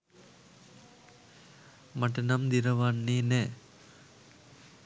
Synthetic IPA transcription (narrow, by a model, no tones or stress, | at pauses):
maʈ̬ɐnamd̪iɾəʋanːeːnɛː